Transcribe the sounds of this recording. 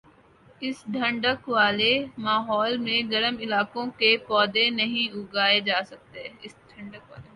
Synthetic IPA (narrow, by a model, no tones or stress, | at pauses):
ɪsɖʱə̃ɳɖəkʋaːlemaːɦɔːlmẽɡɐɾəmɪlaːkõkepɔːd̪enɐɦĩʊɡaːed͡ʒaːsɐk̚t̪eɦɛːɪsɖʰʱɐ̃ɳɖəkʋa̰ːleː